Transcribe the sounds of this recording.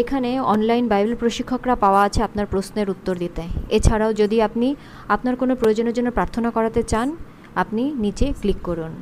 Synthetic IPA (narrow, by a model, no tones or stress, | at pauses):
ekʰaneɔnlajnbajbelpɾoʃikʰːokɾapaoaat͡ɕʰeapnaɾpɾosneɾut̪ːoɾd̪it̪eet͡ɕʰaɾaod͡ʑod̪iapni | apnaɾkonopɾojod͡ʑonod͡ʑoneɾpɾaɾt̪ʰonakɔɾat̪et͡ɕan | apninit͡ɕeklikːoɾun